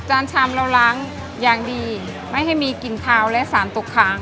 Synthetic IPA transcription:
t͡ɕaː˧nt͡ɕʰaː˧mla˧wla˦˥ŋ | jaː˨˩ŋdiː˧ | ma˥˩jɦa˥˩jmiː˧ki˨˩nkʰaː˧wlɛ˦˥ʔsaː˩˦nt̪o˨˩kʰːaː˦˥ŋ

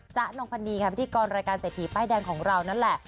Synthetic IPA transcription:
t͡ɕa˦˥ʔno˧ŋpʰa˧nːiː˧kʰa˥pʰi˦˥t̪ʰi˨˧˦kɔː˧nɾaː˧jkaː˧nseː˨˩t̪ʰi˦˩paː˥˩jdɛː˧ŋkʰɔː˩˦ŋɾa˧wna˥˩nlɛ˨˩ʔ

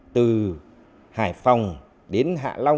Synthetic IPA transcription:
t̪ɨ˨˩ | haː˧˩jfa˨˩wŋ͡m | ɗe˨˦nɦa̰ː˧˨la˧w

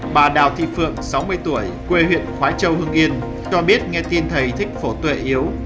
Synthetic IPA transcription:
ɓaː˨˩ɗa̰ː˨˩wt̪ʰḭ˧˨fɨ̰˧˨əŋsa˨˦wmɨ˧əjt̪u˧˩əjkwe˧hwḭ˧˨ənxwaː˨˦t͡ɕə˧whɨ˧əŋʔi˧ən | t͡ɕɔ˧ɓi˦˥ət̚ŋɛ˧t̪i˧nt̪ʰə˨˩jt̪ʰï˦˥k̟̚fo˧˩t̪wḛ˧˨ʔi˨˦əw

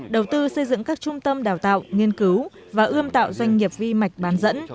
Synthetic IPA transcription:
ɗə˨˩wt̪ɨ˧sə˧jzɨ̰˧˨ŋkaː˦˥k̚t͡ɕʊ˧ŋ͡mt̪ə˧mɗaː˨˩wt̪a̰ː˧˨wʔŋi˧ənkɨ˨˦w | vaː˨˩ʔɨ˧əmt̪a̰ː˧˨wzwa˧jŋ̟ŋi˨˩əp̚vi˧ma˨˩jk̟̚ɓaː˨˦nzə̰˧˥n

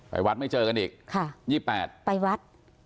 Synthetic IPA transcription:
pa̰˧jwa˦˥t̪̚ma˥˩t͡ɕɤː˧ka˧nʔiː˨˩k̚kʰa˥˩jiː˥˩pːɛː˨˩t̪̚pa˧jwa˦˥t̪̚

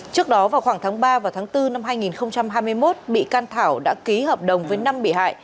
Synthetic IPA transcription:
t͡ɕɨ˦˥ək̚ɗɔ˨˦vaː˨˩wxwaː˧˩ŋt̪ʰaː˨˦ŋɓaː˧vaː˨˩wt̪ʰaː˨˦ŋt̪ɨ˧na˧mhaː˧jŋi˨˩nxə˧wŋ͡mt͡ɕa˧mɦaː˧jmɨ˧əjmo˦˥t̚ɓḭ˧˨kaː˧nt̪ʰaː˧˩wɗa̰ː˧˥ki˨˦həː˨˩p̚ɗə˨˩wŋ͡mvəː˨˦jna˧mɓḭ˧˩˨ɦa̰ː˧˨j

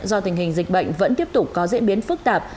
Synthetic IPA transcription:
zɔ˧t̪ï˨˩ŋ̟hï˨˩ŋ̟zï˨˩k̟̚ɓə̰˧˨jŋ̟və̰˧˥nt̪i˦˥əp̚t̪ʊ˨˩k͡p̚kɔ˨˦zḭ˧˥ənɓi˨˦ənfɨ˦˥k̚t̪aː˨˩p̚

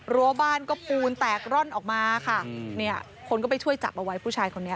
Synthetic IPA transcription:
ɾu˧˦ɐbaː˥˩nkɔː˥˩puː˧nt̪ɛː˨˩k̚ɾɔ˥˩nʔɔː˨˩k̚maː˧kʰa˥˩ni˥˩ɐ | kʰo˧nkɔː˥˩p̬a˧jt͡ɕʰu˥˩əjt͡ɕa̰˨˩p̚ʔa˧wa˦˥jpʰuː˥˩t͡ɕʰaː˧jkʰo˧nːi˦˥ɐ

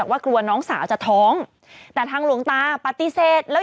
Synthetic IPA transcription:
a˨˩kwaː˥˩klu˧ɐnɔː˦˥ŋsaː˩˦wt͡ɕa˨˩t̪ʰɔː˦˥ŋ | t̪ɛː˨˩t̪ʰaː˧ŋlu˨˩˦əŋt̪aː˧pa˨˧t̪ːi˧seː˨˩t̪̚lɛː˦˥

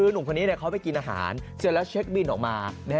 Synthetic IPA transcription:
ɯː˧nu˨˩˦kʰa˧nːi˦˥ni˥˩kʰa˦˥wpa˧jki˧nʔaː˧ɦa̰ː˩˦nt͡ɕɯ˧˩t̪̚lɛ˦˥t͡ɕʰe˦˥k̚bi˧nʔɔː˨˩k̚maː˧nɛ˦˥

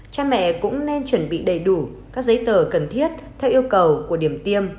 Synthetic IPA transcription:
t͡ɕaː˧mɛ̰˧˨kʊ̰˧˥ŋ͡mne˧nt͡ɕwə˧˩nɓḭ˧˨ɗə˨˩jɗu˧˩ | kaː˦˥k̚zə˨˦jt̪əː˧˩kə˨˩nt̪ʰi˦˥ət̚t̪ʰɛ˧wʔi˧əwkə˨˩wku˧˩əɗi˧˩əmt̪i˧əm

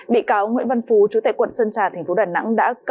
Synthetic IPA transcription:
ɓḭ˧˨kaː˨˦wŋwḭ˧ənvə˧nfu˨˦t͡ɕu˨˦t̪aː˧˨kwə̰˧˨nsə˧nt͡ɕaː˨˩t̪ʰɛ˨˩ŋ̟fo˨˦ɗaː˨˩na̰˧˥ŋɗa̰ː˧˥k

